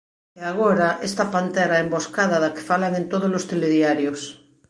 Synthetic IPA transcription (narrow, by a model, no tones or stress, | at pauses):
eaɣ̞oɾaʔest̪apant̪eɾaemboskaðaðake̥falaŋent̪oð̞olost̪eleðjaɾjos